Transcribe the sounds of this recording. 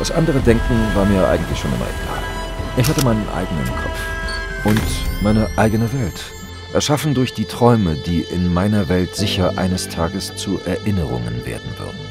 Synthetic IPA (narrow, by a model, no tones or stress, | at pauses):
d̥asʔandəʁədɛŋkŋ̩vaːɐmiːɐjʔa̰ɪɡŋ̩tlɪçʃoːnʔɪ̰mɐ̰ʔḛɡ̥a̰ːlʔɪçhatəmaɪnənʔa̰ɪɡənə̰nkʰɔ̰pp͡fʔʊntmaɪnəʔaɪɡənəvɛlt | ʔɛɐʃafn̩dʊɐçd̥iːtʁ̥ɔʏməd̥iːʔɪnmaɪnɐvɛltz̥ɪçɐʔa̰ɪnəstʰaːɡəst͡suːʔɛɐʔɪnəʁʊ̰ŋə̰nvḛːɐdn̩vʏ̰ɐdn̩